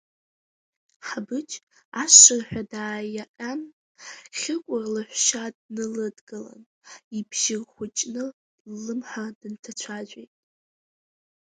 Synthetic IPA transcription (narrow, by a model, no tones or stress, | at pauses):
ħabɨt͡ʃʼ | aʂɨrħʷᶣadaːjaʔʲʼan | χʲɪkʷʼʊrlɨħʷʃadnɨlɨdɡɨla̰n | ibʰʒɪrχʷʊt͡ʃʼnɨ | lɨmħadɨntʰat͡ɕʷʰaʒʷejtʼ